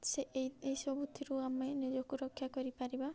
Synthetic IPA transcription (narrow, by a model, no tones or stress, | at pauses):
seʔejejsɔbut̪ʰiɾuamenid͡ʒɔkuɾɔkʰːjakɔɾipaɾiba